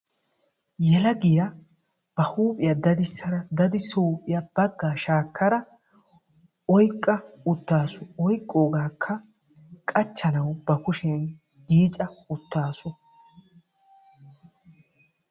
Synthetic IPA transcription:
jɛlɐɡɪjɐ | b̥ɐhuːpʼɪjɐd̪ɐd̪ɪsːɐɾɐd̪ɐd̪ɪsouːpʼɪjɐb̥ɐɡːaːʃaːkːɐɾɐ | ɔjkʼːɐ | ʊt̪ːaːsʊɔjkʼːoːɡaːkʰːɐ | kʼɐt͡ʃːɐnɐwbɐkʊʃɛn | ɡiːt͡ʃʼɐʊt̪ːaːsʊ

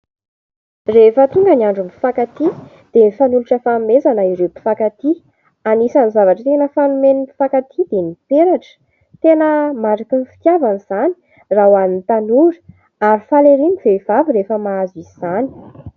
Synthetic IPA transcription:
refət̪uŋɡəniaɳɖ͡ʐumfakat̪i | d̪̥enifanuluʈ͡ʂəfamezanəiɾepi̥fakat̪i | anisanizavaʈ͡ʂət̪enəfanumenifakat̪ʰid̪enipeɾaʈ͡ʂə̥ | t̪enəmaɖ͡ʐakinfi̥t̪javaniz̥ani̥ | rawanint̪anuɾi̥ | aɾifaleɾiniveiv̥aviɾefəmaaziz̥ani̥

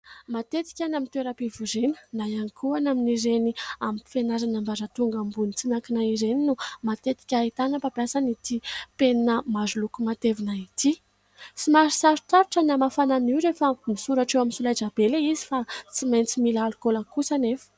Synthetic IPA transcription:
mat̪et̪i̥kʲanamint̪ueɾəpivuɾenə̥najanikʰuanaminiɾeniamipi̥fenazanambazət̪uŋɡambunit͡sinakinaizeninumat̪et̪i̥kʲait̪anəpabjasanit̪ipennəmazulukumat̪evinait̪i | t͡simaɾisaɾut̪aɾuʈ͡ʂənamafananiwɾefəmisuɾaʈ͡ʂewaminsulajd͡ʒabeleizifat͡simajnt͡similalukolakusanefə̥

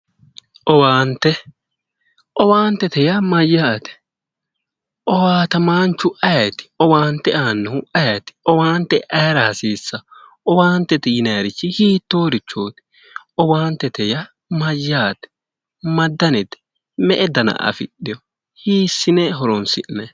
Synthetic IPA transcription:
ʔɔwaːnt̪ɛ | ʔɔwaːnt̪ɛt̪ɛjɐmɐjːaːt̪ɛ̥ | ʔɔwaːt̪ɐmaːnt͡ʃːʊʔɐjɐt̪ɪ̥ɔwaːnt̪ɛʔaːnːɛhʊɐjɐt̪ɪ̥ɔwaːnt̪ɛʔɐjɾɐhɐsiːsːɐ | ɔwaːnt̪ːɛt̪ɛjɪnɐːɾɪt͡ʃːɪhiːt̪ːoːɾɪt͡ʃːoːt̪ɛ̥ | ɔwaːnt̪ːɛt̪ɛjɐ | mɐjːaːt̪ɛ̥ | mɐd̪ːɐnɛt̪ɛ̥ | mɛʔɛd̪ɐnɐ̰ʔɐ̰fɪ̰ɗːɪjɔ | hiːsːɪnɛɦɔɾɔnsɪʔnɐ

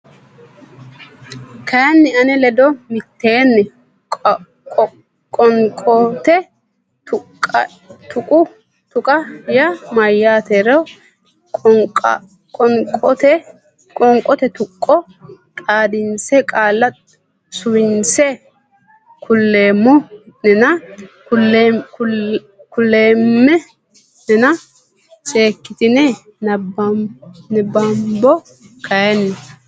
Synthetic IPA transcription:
kɐjnːɪɐnɛlɛd̪ɔmɪt̪ːe̞ːnːɛ | kʼɔŋkʼɔt̪ɛ | ʊkʼ | t̪ʊkʼʊ | t̪ʊkʼɐjɐmɐjːaːt̪ɛɾɛ | ɔkʼɔt̪ɛ | kʼɔŋkʼɔt̪ɛt̪ʊkʼːɔ | t̪ʼaːd̪ɪnsɛkʼaːlːɐ | sʊwɪnsɛ | kʊlːeːmːʊnɛnɐkʊl | kʊlːeːmːɛ | nɛnɐ | seːkːɪt̪ɪnɛ | nɛbɐmbɔ | kʰɐjɛnːɛ

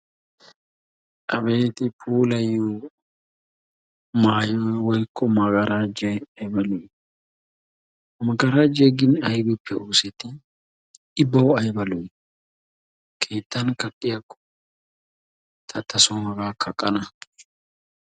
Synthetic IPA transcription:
ɐbeːt̪ɪfuːlɐjːuː | maːjowɔjkʰːɔmɐɡɐɾaːd͡ʒɛɐjbɐlʊj | mɐɡɐɾaːd͡ʒeɡɪnɐjbɪpːɛʔuːsɛt̪ɪ | ɪbːɐwɔɐjbɐlʊj | kʰeːt̪ːɐnkɐɗʼɪjɐkːɔ̥ | t̪ʰɐt̪ʰːɐsɔmɐɡaːkʰɐkʼːɐnɐ

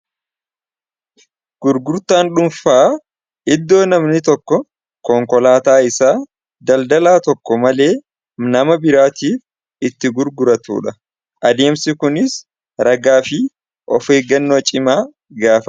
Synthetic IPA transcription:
ɡ̥ʊɾɡʊɾt̪aːnᶑʊmfaː | ʔɪd̪ːo̞ːnɐmnɪt̪ɔkːɔ | kɔŋkɔlaːt̪aːɪsaː | d̪ɐld̪ɐlaːt̪ɔkːɔmɐle̞ː | nɐmɐbɪɾaːt̪iːf | ɪt̪ːɪɡʊɾɡʊɾɐt̪ṵːᶑɐ | ʔɐd̪e̞ːmsɪkʊnɪs | ɾɐɡaːfɪ | ʔɔfe̞ːɡɐnːoːt͡ʃʼɪmaː | ɡaːfɐ

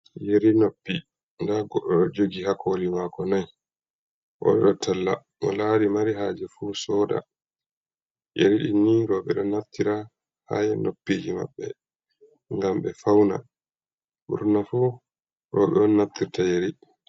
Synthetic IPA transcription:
jeɾinopːi | ndaɡɔɗːɔɗɔd͡ʒoɡihakʰolimaːkɔnaj | ʔɔ̰ɗɛɗɔtʰalːa̰ | ʔɔ̰laːɾimaɾiɦaːd͡ʒɛfusɔda̰ | ʔeɾiɗinːiɾɔɓɛɗɔnaftːiɾa | hajɛnopːiːd͡ʒima̰ɓːɛ | ŋɡamɓɛfawna̰ | ɓṵɾnafu | ɾɔɓɛɗɔnaft̪iɾtajeɾi

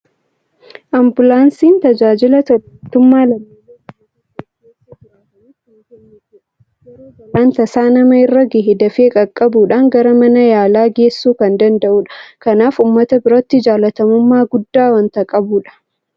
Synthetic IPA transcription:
ʔɐmbʊlaːnsiːnt̪ɐd͡ʒaːd͡ʒɪlɐ | t̪ːʊmːaːlɐ | ɐnt̪ɐsaːnɐmɐɪrːɐɡɪhɪd̪ɐfeːkʼɐkʼːɐbuːᶑɐŋɡɐɾɐmɐnɐjaːlaːɡeːsːuːkɐnd̪ɐnd̪ɐʔuːᶑɐ̥kɐnaːfʊmːɐt̪ɐbɪɾɔt̪ːɪd͡ʒaːlɐt̪ɐmʊmːaːɡʊd̪ːaːwɐnt̪ɐkʼɐbuːᶑɐ̥

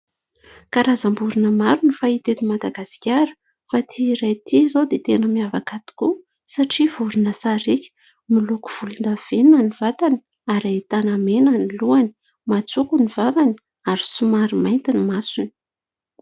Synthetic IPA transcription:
kaɾazambuɾunəmaɾunifait̪et̪imad̪aɡasi̥kʲaɾə̥ | fat̪ʰiːɾajt̪ʰizod̪et̪enəmiavakat̪i̥ku | saʈ͡ʂivuɾinəsaɾikʲə̥ | miluku̥v̥ulund̪av̥enanivat̪ani | aɾait̪anamenaniluani̥ | mat͡sukunivavani | aɾi̥sumaɾimajnt̪inimasuni̥

